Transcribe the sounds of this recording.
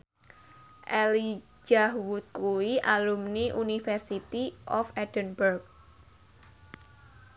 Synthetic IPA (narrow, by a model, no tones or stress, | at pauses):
ʔɛli | d͡ʒahwut̪̚kuiʔalumniʔunifɛrsit̪iʔɔfɛd̥ənbərk̚